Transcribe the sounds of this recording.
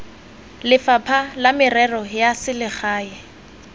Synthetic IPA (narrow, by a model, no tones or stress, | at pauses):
lɪfapʰalamɪrɛrɔjasɪlɪχʰaːjɛ